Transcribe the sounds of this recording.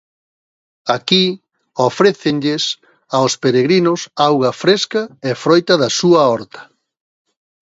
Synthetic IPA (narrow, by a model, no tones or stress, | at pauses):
aki | ofɾeθɪnʎɪs | aospeɾeɣɾinʊsawɣɐfɾeskɐɛfɾojt̪ɐðɐsuɐɔɾt̪ɐ̥